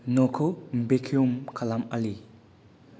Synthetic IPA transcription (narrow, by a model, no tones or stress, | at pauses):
nɔkʰombekʰiumkʰalamali